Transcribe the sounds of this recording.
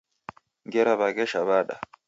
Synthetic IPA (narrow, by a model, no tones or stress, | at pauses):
ŋɡɛɾaβakɛʃaβaɗa̰